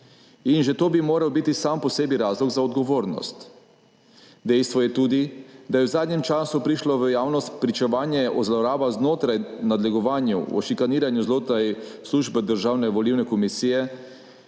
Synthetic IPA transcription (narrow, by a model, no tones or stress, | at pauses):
inʒɛt̪oːbimoːɾawbit̪isampɔseːbiɾaːzlɔɡzaɔd̪ɡɔʋoːɾnɔ̰st̪ | d̪ɛjst̪ʋɔjɛt̪uːd̪id̪ajɛwzaːd̪nɲɛmt͡ʃaːsupɾiʃlɔʋəjaːwnɔst̪pɾit͡ʃɛʋaːnjɛʔɔzlɔɾaːbaznoːt̪ɾajnad̪lɛɡɔʋaːnjṵɔ̰ʃikaniːɾanjuzloːt̪ɾajsluːʒbɛd̪əɾʒaːwnɛʋɔliwnɛkɔmisiːjɛ